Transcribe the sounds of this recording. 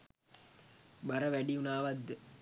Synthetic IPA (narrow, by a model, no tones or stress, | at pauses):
bɐɾəʋæɖiunaːʋad̪d̪ə